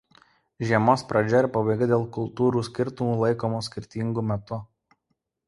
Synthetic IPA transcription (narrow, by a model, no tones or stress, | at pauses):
ʒʲiɛmoːspɾɐd͡ʒʲɔɪɾʲpɐbɐɪɡɐd̪ʲeːlˠkʊlˠt̪uːɾuːsʲkʲɪɾt̪ʊmuːlˠɐɪkoːmuːsʲkʲɪɾʲt̪ʲiŋɡuːmʲɛt̪ʊ